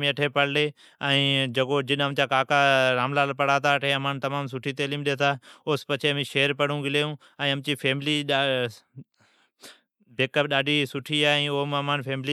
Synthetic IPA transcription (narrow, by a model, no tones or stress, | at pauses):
mĩːɐʈʰeːpəɽleː | ɛ̃ːd͡ʑɐkoːd͡ʑɪɗəmt͡ɕaːkaːkaɾãːmlaːlpɐɽaːt̪ʰaɐʈʰẽɐmaːnt̪ɐmaːms̬ʊʈʰit̪eːliːmɗet̪ʰaːoːspɐt͡ʃʰemĩːʃeːəɾpɐɽ̤ũːɡɪleːjũː | ɛ̃ːəmt͡ɕiːfʰeːmɪliɗ | beːkəp̚ɗaːɖʱisʊʈʰiaːĩːoːmɐmãːnfʰeːmɪli